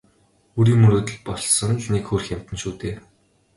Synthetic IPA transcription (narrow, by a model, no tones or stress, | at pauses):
ɵɾiːŋmɵɾoːt̪ɵ̆ɮpɔɮsɞ̆nt͡ɕnekxoːr̆xjam̥t̪ɘ̆nʃuːt̪eː